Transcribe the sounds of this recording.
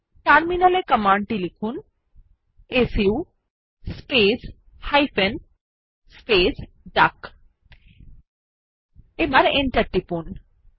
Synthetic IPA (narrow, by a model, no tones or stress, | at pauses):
ʈaɾminalekəmaɳɖʈilikʰun | esiu | spes | hajfʰen | spes | ɖak | ebaɾeɳʈɐɾʈipun